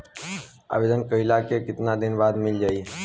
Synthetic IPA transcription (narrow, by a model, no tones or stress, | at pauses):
a̰ːʋeːd̪ənkəɪlaːkekɪt̪nad̪ɪnbaːd̪mɪld͡ʒaːiːɦeː